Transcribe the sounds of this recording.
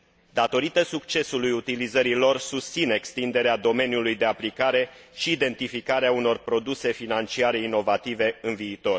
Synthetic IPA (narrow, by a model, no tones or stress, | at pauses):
d̪at̪o̞ɾit̪əsukt͡ʃe̞sulujut̪ilizəɾilo̞rsust̪sine̞kst̪ind̪e̞ɾead̪o̞me̞njulujd̪e̞aplikaɾe̞ | ʃiːd̪e̞nt̪ifikaɾeauno̞rpɾo̞d̪use̞finant͡ʃiaɾe̞ino̞vat̪ive̞ɨnviːt̪o̞r